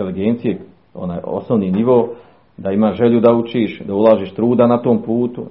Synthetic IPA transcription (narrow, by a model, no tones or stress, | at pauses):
eliɡent̪sije | o̰naːjo̞̰snoʋniːniʋo̞ː | d̪aimaːʒeʎud̪aut͡ʃiːʃd̪aulˠaːʒiːʃt̪ɾuːd̪anat̪o̞ːmpuːt̪u